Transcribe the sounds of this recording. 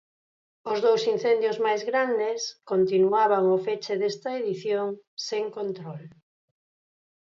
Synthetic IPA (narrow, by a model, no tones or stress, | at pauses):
ʊzðowsin̟θend̪jozmajzɣɾand̪eskont̪inuaβ̞aŋofet͡ʃeðest̪ɐeðiθjoŋseŋkont̪ɾɔl